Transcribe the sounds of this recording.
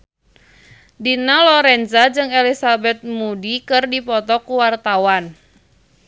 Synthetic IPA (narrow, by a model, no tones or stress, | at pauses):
dinalɔɾɛnzad͡ʒɨŋelisabɛt̪̚mudikɨrdipɔt̪ɔkuwart̪awan